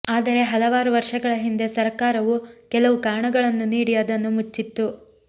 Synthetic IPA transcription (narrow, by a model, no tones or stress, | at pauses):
aːd̪ɐɾe̞ɦɐlɐʋaːɾuʋɐɾʂɐɡɐɭɐɦind̪e̞sɐɾkaːɾɐʋukɛlɐʋukaːɳɐɡɐɭɐnːuniːɽijaːd̪ɐnːumut͡ʃːit̪ːu